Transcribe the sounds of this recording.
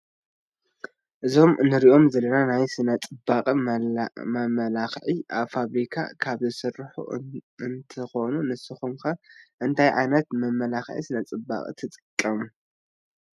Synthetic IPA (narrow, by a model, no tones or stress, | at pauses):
ʔɨzo̞mɨnɨɾiʔo̞mzɐlːɐnanajsɨnɐt͡sʼɨbaqʼi | mɐmɐlaxʕiʔa̰βfaβɾikʰa̰kʰaβzɨsɨrħṵɨnt̪ʰɨxo̞nunɨsɨxumkɐʔɨnt̪ʰajʕa̰jnɐt̪mɐmɐlaxʕḭsɨnɐt͡sʼɨba̰kʼḭt̪ʰɨt͡sʼɨkʼːɐmu